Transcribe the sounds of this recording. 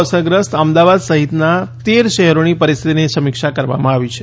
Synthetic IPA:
səɡɾəst̪əmd̪aʋad̪səɦit̪nat̪eɾʃɛɦɾonipəɾist̪ʰit̪inesəmikʂakəɾʋa̰mãaʋit͡ʃʰe̥

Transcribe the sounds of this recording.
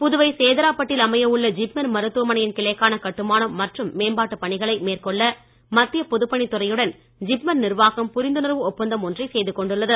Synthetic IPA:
pʊðɯʋɐɪseːðɐɾaːpːɐʈːɪlɐmɐjɐʋɯɭːɐd͡ʒɪpmɐnmɐɾɯt̪ːɯʋɐmɐnɐjɪnkɪɭɐkːaːnɐkɐʈːɯmaːnɐmːɐʈrɯmːeːnbaːʈːɯpːɐɳɪɣɐɭɐɪmeːrkɔɭːɐ | mɐt̪ːɪjɐpɔðɯpːɐɳit̪ːɯrɐjɯɽɐn | d͡ʒɪpmɐnnɪrʋaːɣɐmpʊɾɪnd̪ɯnɐɾʋɯɔpːɐnd̪ɐmɔndrisejðɯkɔɳɖɯɭːɐðɯ

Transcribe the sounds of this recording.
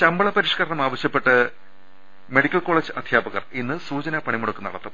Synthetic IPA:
t͡ɕɐmbɐɭɐpɐɾiʂkɐɾɐɳɐmaːʋɐɕjɐpːe̞ʈːɨ | me̞ɽikʲːɐɭko̞ːɭeːd͡ʑɨʔɐd̪ʱjaːbɐɣɐrinːɨsuːt͡ɕɐnɐpɐɳimuɽɐkːenɐ̰ɽɐt̪ːɐm

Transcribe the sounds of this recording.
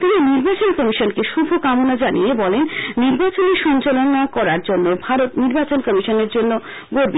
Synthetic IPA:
t̪miniɾbat͡ɕonkɔmiʃonkeʃubʱokamonad͡ʑanʔḭjebɔlenːiɾbat͡ɕoneʃɔnt͡ɕalonakɔɾaɾd͡ʑonːobʱaɾot̪niɾbat͡ɕonkɔmiʃoneɾd͡ʑonːo | ɡoɾbi

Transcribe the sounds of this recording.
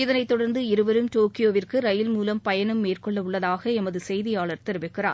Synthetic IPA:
ɪðɐnɐɪt̪ːɔɽɐɾnd̪ɯɪɾɯʋɐɾɯmʈoːkɪjoːʋɪrkɯɾɐjɪlmuːlɐmpɐjɐnɐmːeːrkɔɭːɐʊɭːɐðaːɣɐɛmɐðɯsɛjðɪjaːɭɐɾt̪ɛɾɯʋɪkːɪra̰ː

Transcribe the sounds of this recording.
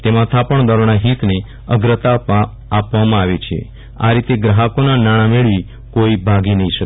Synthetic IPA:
t̪emãt̪ʰapəɳd̪ɔɾɳ̃aɦit̪ne | əɡɾət̪apː | pʋamãaʋet͡ʃʰḛ | a̰ɾit̪eɡɾəɦəkonanaɽ̃ameɭʋi | koibʱaɡinəɦĩʃək

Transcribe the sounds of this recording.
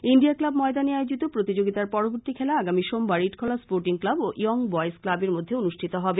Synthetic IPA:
inɖiaklabmɔed̪aniajod͡ʑit̪opɾot̪id͡ʑoɡit̪aɾpɔɾoboɾt̪ikʰɛlaaɡamiʃombaɾiʈkʰolaspoɾʈiŋklaboʔʔiɔŋbɔesklabeɾmod̪ʱːeonuʃʈʰit̪oɦɔbe

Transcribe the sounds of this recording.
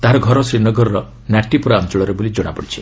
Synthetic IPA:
t̪aɦɾɔɡʱɔɾɔsiɾnɔɡɔɾɔɾɔ | naʈːipɾant͡ʃɔɭɔɾebolid͡ʒoɽ̃apɔɽit͡ʃʰi̥

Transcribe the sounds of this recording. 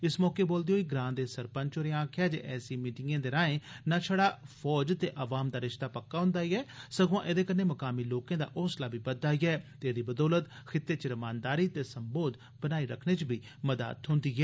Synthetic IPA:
ɪsmɔːkeːboːld̪eɦoːiːɡɾãːnd̪eːsəɾpəɲt͡ʃoɾẽãːkʰɪjaːd͡ʒḛːʔɛːsiːmiːʈɪŋẽːd̪eːɾaːẽːnãːt͡ʃʰəɽaːfʰɔːd͡ʒt̪eːʔəʋaːmd̪aːɾɪʃt̪aːpəkːaːɦʊ̃nd̪aːiːɛːsəɡõʔed̪eːkənːeːməkaːmiːloːkẽːd̪a̰ːʔoːslaːbiːbəd̪ːaːiːɛːt̪eːd̪iːbəd̪ɔːlət̪ | xʰɪt̪ːeːt͡ʃəɾəmaːnd̪aːɾiːt̪eːsəmboːd̪ | bənaːiːɾə̰kʰneːt͡ʃbiː | məd̪a̰ːt̪ɦʊ̃nd̪iːɦɛː

